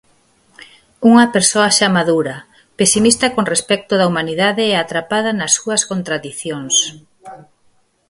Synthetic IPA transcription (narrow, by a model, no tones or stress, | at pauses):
uŋɐpeɾsoaʃamaðuɾɐ | pesimist̪ɐkoŋrespɛk̚t̪ʊðɐumaniðaðɪɛat̪ɾapað̞ɐnɐsːuɐskont̪ɾaðiθjoŋs